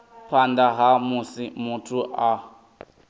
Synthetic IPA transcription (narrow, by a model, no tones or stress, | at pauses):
pʰandaɦamusimutʰuʔa